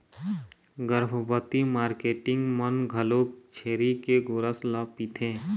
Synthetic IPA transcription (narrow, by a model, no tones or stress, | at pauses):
ɡəɾbʱəbət̪imaːɾkeːʈɪ̃ŋɡmənɡʱəloːk̚t͡ʃʰeːɾikeɡʊɾəslaːpit̪ʰẽː